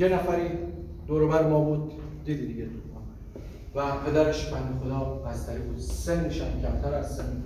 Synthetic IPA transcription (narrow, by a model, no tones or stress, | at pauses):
jenæfæɾiːd̪̥oːɾobæɾemɒːbuːd̪̚ː | iːd̪id̪iɡet̪ʰumɑːn | væpʰe̞d̪æɾe̞ʃbænːexod̪ɒːbæst̪æɾibuːd̪senːeʃæ̰mcʲʰæmt̪ʰæɾæzsenː